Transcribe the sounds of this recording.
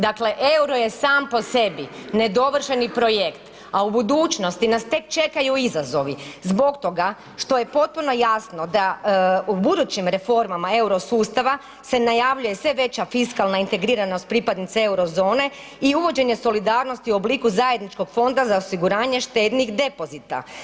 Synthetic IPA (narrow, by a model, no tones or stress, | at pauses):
d̪akle̞ʔeuɾoje̞saːmpo̞se̞bine̞d̪o̞ʋr̩ʃenipɾo̞jekt̪ | aubud̪uːt͡ʃno̞st̪inast̪e̞k̚t͡ʃe̞kajuizazo̞ʋizbo̞kt̪o̞ɡa | ʃt̪o̞je̞po̞t̪̚puno̞jasno̞d̪aubud̪ut͡ɕimɾe̞fo̞ɾmamae̞uɾo̞suːst̪aʋa | se̞najaʋʎuje̞sʋe̞ʋe̞t͡ɕafiskalˠnaint̪e̞ɡɾiːɾano̞st̪̚pɾipad̪nit̪see̞wɾo̞zo̞ːne̞ | iuʋo̞d͡ʑe̞ɲe̞so̞lid̪aːɾno̞st̪iuo̞bliːkuzaje̞d̪nit͡ʃko̞ɡ̥fo̞nd̪azaosiɡuɾaːɲe̞ʃt̪e̞ːd̪nixd̪e̞po̞zit̪a̰